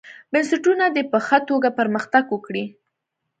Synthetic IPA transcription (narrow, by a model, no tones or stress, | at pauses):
bənsɪʈunad̪epəxət̪oɡapəɾməxt̪aɡwəkɽi